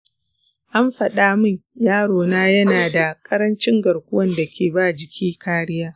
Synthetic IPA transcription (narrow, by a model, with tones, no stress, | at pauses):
ʔa˦mɸɐ˨ɗaː˦mɐ˦˨jjaː˦ɽoː˨naː˦jɐ˦naː˨da˨kʼɐ˦ɾɐ˦nt͡ʃɪ˦ŋɡɐ˨ɽkʷʊ˦wɐ˦nda˨kʲeː˨baː˦d͡ʒɪ˨kʲʰiː˦kaː˦ɽɪ˦jaː˦